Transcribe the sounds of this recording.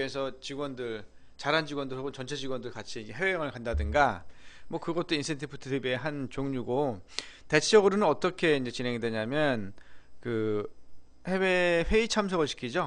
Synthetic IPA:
esʰʌt͡ɕiɡwʌndɯɭ | t͡ɕaɾɦand͡ʑiɡwʌndɯɦaɡont͡ɕʌnt͡ɕʰe̞d͡ʑiɡwʌndɯɭkat͡ɕʰiːd͡ʑeɦewejʌŋɯɭkandadɯŋɡamwʌkɯɡʌt̚t͈oinsʰentʰipʰutʰɯtʰibe̞ɦant͡ɕoŋɲuɡo | te̞t͡ɕʰed͡ʑʌɡɯɾonɯnʌt͈ʌkʰe̞ind͡ʑe̞t͡ɕinɦe̞ŋidwe̞ɲamjʌnkɯ | he̞we̞ɸwe̞it͡ɕʰams̬ʰʌɡɯɭɕʰi̥kʰid͡ʑo

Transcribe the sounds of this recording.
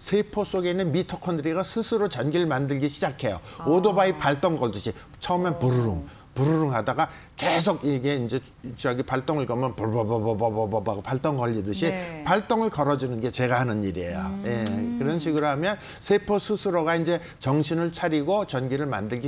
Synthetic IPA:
sʰe̞pʰos͈oɡeinɯnmitʰʌkʰʌndɯɾiɡasʰɯsʰɯɾot͡ɕʌnɡiɾɯɭmandɯɭɡiɕʰid͡ʑakʰe̞joodobaipaɭt͈ʌŋɡʌɭdɯɕʰi | t͡ɕʰʌɯmjʌnpuɾuɾɯŋ | puɾuɾuŋɦadaɡa | ke̞s̬ʰoɡiɡe̞ind͡ʑe̞ | t͡ɕʌɡipaɭt͈oŋɯɭkʌmʌnpbʌbʌbʌbʌbʌbʌbaɡopaɭt͈ʌŋɡʌʎːidɯɕʰipaɭt͈oŋɯɭkʌɾʌd͡ʑinɯnɡe̞t͡ɕe̞ɡahanɯniɾiejojekɯɾʌnɕʰiɡɯɾoɦamjʌn | sʰe̞pʰosʰɯsʰɯɾoɡaind͡ʑe̞ | t͡ɕʌŋɕʰinɯɭt͡ɕʰaɾiɡot͡ɕʌnɡiɾɯɭma̰ndɯɭɡi

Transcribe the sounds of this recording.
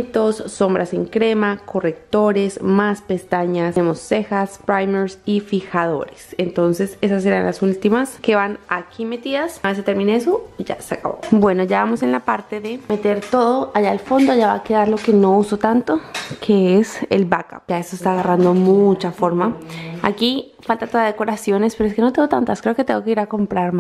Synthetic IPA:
t̪o̞sːo̞mbɾʔase̞ŋkɾe̞makʰo̞re̞k̚t̪o̞ɾe̞smaspe̞st̪aɲasemosːe̞xaspɾajmeɾsifixaðo̞̰ɾesent̪o̞nse̞se̞saseɾanlasult̪imaske̞βanakʰime̞t̪iðasaβeset̪eɾmineesoiʝa̰seaka̰βo̰bwe̞no̞ʝaβamo̞se̞nlapaɾt̪e̞ðe̞me̞t̪e̞ɾt̪o̞ðo̞ʔaʝaːlfo̞nd̪oaʝaβa̰ke̞ðaɾlo̞ke̞no̞uso̞t̪ant̪o̞kʰe̞ese̞̰lbaka̰pd͡ʒaestoest̪aːɣarand̪o̞mut͡ʃafo̞ɾmaa̰ki | falt̪at̪o̞ðaðeko̞ɾasjo̞ne̞speɾoeske̞no̞t̪eŋɡot̪ant̪askɾe̞oket̪eŋɡo̞keiɾako̞mpɾaɾma

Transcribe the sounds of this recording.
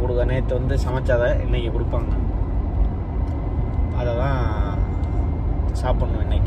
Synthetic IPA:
kʊɽɯkːɐneːɐt̪ːɐʋɐnd̪ɯsɐmɐt͡ʃːaːðɐʔɛ̰nːɐkːɛkʊɽɯpːaːŋɐ | ɐðɐt̪ãː | saːpɐɳːʊ̃ɛnːɐkː

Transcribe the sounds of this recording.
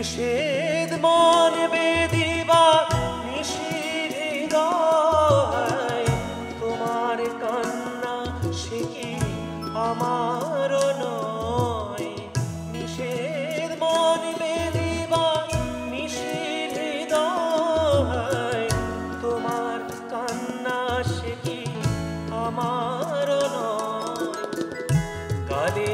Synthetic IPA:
iʃed̪bɔnbed̪ibamiʃi | bid̪ɔ | baj | t̪omaɾkanːa | ʃeki | amaɾonɔ | j | miʃeɾbɔnbebiba | miʃibʱid̪ɔ | ɦaj | t̪omaɾ | kanːaʃeki | amaɾonɔj | ɡale

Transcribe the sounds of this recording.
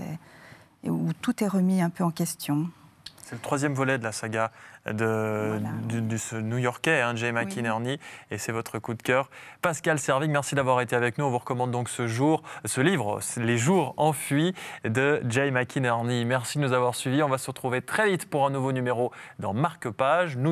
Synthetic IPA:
ut̪ut̪ɛʁəmiɛ̃pøɑ̃kʲɛst̪jɔ̃ | sɛlət̪χwazjɛmvɔlɛd̪əlasaɡad̪ə | d̪d̪əsənujɔʁkʲɛɛ̃ʒɛmakʲinɛʁniesɛvɔt̪χəkud̪kʲœːʁpaskalsɛʁvikmɛʁsid̪avwaʁet̪eavɛknuɔ̃vuʁəkɔmɑ̃d̪̚d̪ːɔ̃ksəʒuʁsəlivʁleʒuʁɑ̃fɥid̪əd͡ʒɛjmakʲʰinɛʁnimɛʁsid̪ənuzavwaʁsɥiviɔ̃vasəʁət̪χuvet̪χɛvit̪puʁɛ̃nuvonymeʁod̪ɑ̰̃maʁkəpaʒnu

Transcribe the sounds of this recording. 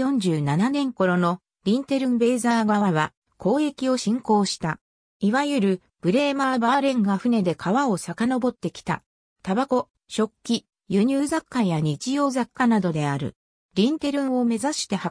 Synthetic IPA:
jõ̞ɲ̟d͡ʑɨːnananẽ̞ŋko̞ɾo̞no̞ | ɾʲĩnt̪e̞ɾɯ̟̃mbe̞ːzaːɡaβaβa | ko̞ːe̞kʲio̞ɕĩŋko̞ːɕi̥t̪a | iβajɯ̟ɾɯ̟ | b̥ɯ̟ɾe̞ːmaːbaːɾẽ̞ŋɡaɸɯ̟ne̞d̪e̞kʰaβao̞sakano̞bo̞t̪ːe̞kʲi̥t̪a̰ | t̪abako̞ | ɕo̞kʲːi | jɯ̟ɲ̟ɨːzakːajaɲ̟it͡ɕijo̞ːzakːanad̪o̞d̪e̞aɾɯ̟̰ | ɾʲĩnt̪e̞ɾɯ̟̃ɰ̃o̞me̞zaɕi̥t̪e̞ha

